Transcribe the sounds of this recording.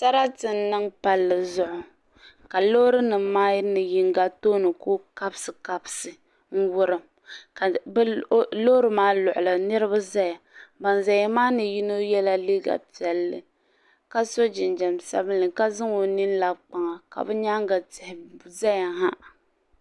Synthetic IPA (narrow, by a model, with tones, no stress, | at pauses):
sa˦ɾa˦tɨ˨nː˦ɨ˦ŋpa˨lːɨ˨zʊ˦ʔʊ˨ | ka˨lo˦ɾɨ˦nɨ˨mːaː˦nɨ˨ji˨ŋ˦ɡa˦toː˦nɨ˨ko˦ka˦bsɨ˨ka˦bɨ˨sɨ˨ | ŋ̩˦wʊ˦ɾɨ˨m˨ | blo˦ɾɨ˨maː˦lʊ˨ʔʊ˨la˨nɨ˦ɾɨ˦ba˦za˦ja˨ba˨nza˨ja˦maː˦nɨ˨ji˦no˦jɛ˦la˦li˦ɡa̰˨pi˨ɛ˨lːɨ̰˨ | ka˦so˦d͡ʒɪ˨nd͡ʒɛ˨msa̰˦bɨ˦nːɨ˨ka˦zɨ˦ŋo˨ni˦nla˨k͡pa˨ŋa˨ka̰˨bɛ˦ɲa˦ŋ˦ɡa˨tɪ˨hɪ˨za˦ja˨ha˦ʔ